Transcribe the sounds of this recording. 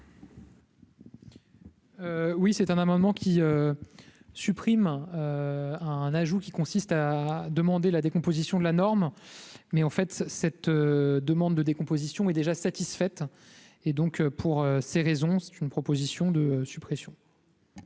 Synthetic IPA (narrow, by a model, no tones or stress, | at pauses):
øwisɛt̪ɛ̃namɑ̃d̪mɑ̃kʲʰiø | sypχimøɛ̃naʒukʲikɔ̃sist̪ad̪əmɑ̃d̪elad̪ekɔ̃pozisjɔ̃d̪əlanɔʁmmɛɑ̃fɛt̪sɛt̪ød̪əmɑ̃d̪ːəd̪ekɔ̃pozisjɔ̃ɛd̪eʒasat̪isfɛt̪ | ed̪ɔ̃køpʰuʁøseʁezɔ̃sɛ̥t̪ynpχɔpozisjɔ̃d̪əøsypχesjɔ̃